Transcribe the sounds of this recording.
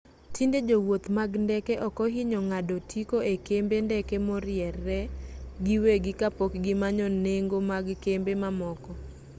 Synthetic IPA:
tʰinded͡ʒowot̪maɡndɛkeʔɔkɔɦɪɲɔŋadotʰikoekembendɛkemɔɾɪjɛrɛɡiweɡɪkapɔkɡɪmaɲɔneŋɡomaɡkembemamɔkɔ

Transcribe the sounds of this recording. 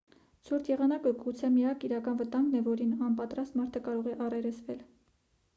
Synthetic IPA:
t͡sʰuɾt̪ʰjɛʁɑnɑkəɡut͡sʰɛmiɑkiɾɑkɑnvət̪ɑŋɡnɛvɔɾinɑnpɑt̪ɾɑst̪mɑɾt̪ʰəkɑɾɔʁɛʔɑrɛɾɛt͡sʰvɛl

